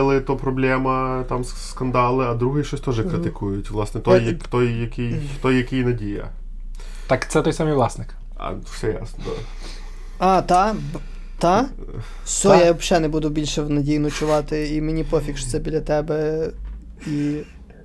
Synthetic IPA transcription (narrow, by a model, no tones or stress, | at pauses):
ɛlˠɪt̪ɔpɾɔblʲɛmɐt̪ɑms | skɐnd̪ɑlˠɪɐd̪ɾuɦɪjʃt͡ʃɔsʲt̪ɔʒɛkɾɪt̪ɪkujʊtʲʋlˠɑsnɛt̪ɔjːɐt̪ɔjːɐkʲijt̪ɔjːɐkʲijnɐdʲijɐ̰ | ɑkt̪sɛt̪ɔjsɑmijʋlˠɑsnɪk | ɐ̰fsɛja̰snɔd̪a̰ | ɑt̪ɑ | t̪ɑ | sɔjaɔbʃɛnɛbud̪ʊbʲilʲʃɛwnɐdʲijnɐt͡ʃʊʋɑt̪ɪimenʲipɔfʲikʃt̪sɛbʲilʲɐt̪ɛbɛ | i